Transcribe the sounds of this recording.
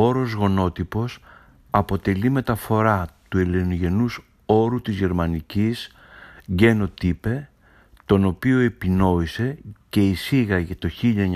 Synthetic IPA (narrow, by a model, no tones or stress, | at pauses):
o̞ɾo̞zɣo̞no̞t̪ipo̞s | ɐpo̞t̪e̞lime̞t̪ɐfo̞ɾɐt̪ue̞lenuʝe̞nus | o̞ɾut̪izʝe̞ɾmɐnicis | ʝe̞no̞t̪ipe̞ | t̪o̞no̞pio̞e̞pino̞ise̞ce̞isiɣɐt̪o̞çiʎɐɲ